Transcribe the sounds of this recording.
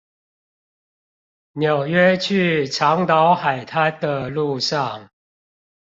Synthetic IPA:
njo˨˩ʊɥɛ˦t͡ɕʰy˥˨ʈ͡ʂʰɑ˨˦ŋt̪ɑ˨˦ʊxa˨˩ɪt̪ʰa˦nd̪ə˨lu˥˧ʂɑ˥˨ŋ

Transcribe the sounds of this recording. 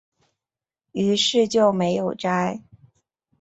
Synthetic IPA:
y˧˥ʂɻ̩˥˧t͡ɕjo˥˩ʊme˧˥ɪjo˨˩ʊʈ͡ʂa˥ɪ

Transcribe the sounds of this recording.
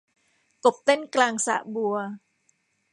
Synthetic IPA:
ko˨p̚t̪ɛ˦nkla˧ŋsa̰˨ʔbu˨ə

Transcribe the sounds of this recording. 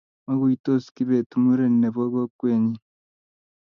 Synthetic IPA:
ma˦ɣu˦i˨to˦ski˦βe˨tu˨mu˦ɾe˦nːe˨βo˦βo˦kweː˨ɲi˦

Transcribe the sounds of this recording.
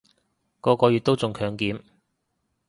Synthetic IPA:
kɔː˧kɔː˧jy˨t̚t̪o˥wt͡sʊ˨ŋkʰœː˨˧˥ŋkiː˨˥m

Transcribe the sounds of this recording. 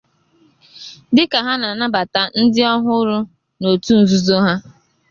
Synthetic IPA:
dɪ˦ka˨ɦa˦na˨na˦ba˨ta˨n̩˦dɪ˦ɔ˦ɦʊ˦ɾʊ˦ | no˨tu˦n̩˨zu˦zo˦ɦa˦

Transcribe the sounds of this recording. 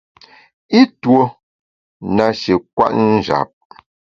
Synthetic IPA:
i˦two˦ | na˨ʃe˨kwa̰˦ʔn̩˦d͡ʒa̰˨p̚

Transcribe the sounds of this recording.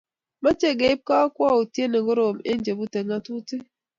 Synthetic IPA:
ma˦t͡ʃe˦ɡe˨i˦p̚ka˦kwɔ˦˨u˨tje˦ne˨ɡo˦ɾo˨mḛ˦n˦d͡ʒe˨bu˦te˨ŋa˦tu˦te˦

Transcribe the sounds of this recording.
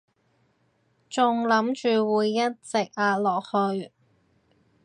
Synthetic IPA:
t͡sʊ˨ŋlɐ˨˥mt͡ʃyː˨˧wuː˨˧jːɐ˥t̚t͡sɪ˨k̚aː˧t̚lɔː˨k̚hɵ˧ɥ

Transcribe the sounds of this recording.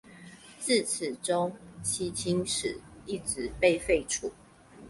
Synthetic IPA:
t͡s̩˥˨t͡s̩ʰ˨˩ʈ͡ʂo˦ŋt͡ɕʰi˥t͡ɕʰi˥ŋʂɻ̩̰˨˩˦i˥˩ʈ͡ʂɻ̩˨˩˦pe˥˧ɪfe˥˧ɪʈ͡ʂʰu˨˦

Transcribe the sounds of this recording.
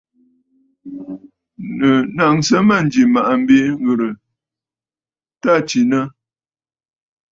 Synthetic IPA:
nə˨na˨ŋsə˦ma˦˨n˨˦d͡ʒi˨ma˨ʔa˨m̩˦be˦ŋ˦ɣə˨ɾə˨ | ta˦t͡ʃi˨nə˦

